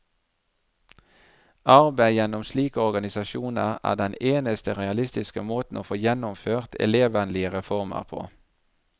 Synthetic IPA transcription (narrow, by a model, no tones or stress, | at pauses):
ʔɑʁbæɪjɛnʊmsliːkəɔʁɡɑnɪsɑʃuːnəʁæ̰ːd̪ɛneːnəst̪əʁɛɑlɪst̪ɪskəmoːt̪n̩ʔoːfoːjɛnʊmføːʁt̪ɛ̰leːʋənlɪəʁɛfɔʁmə̰ʁpʰo̰ː